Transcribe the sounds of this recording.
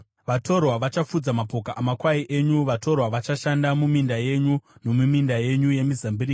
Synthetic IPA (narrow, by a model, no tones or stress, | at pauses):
ʋatʰo̞rwaʋat͡ʃafud͡zamapo̞kaʔamakwaiʔe̞ɲuʋato̞rwaʋat͡ʃaʃandamumindaje̞ɲuno̞mumindaje̞ɲuje̞mizambiɾiːk